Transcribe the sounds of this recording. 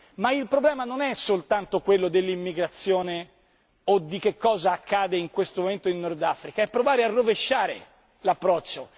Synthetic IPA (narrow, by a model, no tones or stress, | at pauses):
mailpɾoblɛːmanonɛsolt̪ant̪okwelːod̪elːimːiɡɾat̪sːjoːne | od̪ːik̟ekːɔːzaːkːaːd̪eiŋkwest̪omoment̪oinːord̪afɾikaɛpːɾovaːɾearːoveʃːaːɾḛ | lapːɾɔt͡ʃːo